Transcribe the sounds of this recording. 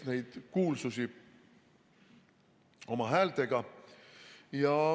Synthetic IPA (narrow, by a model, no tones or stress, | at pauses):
ne̞jd̪̥kuːlsusi | o̞mɑɦæːlt̪e̞ɡ̥ɑ | jɑ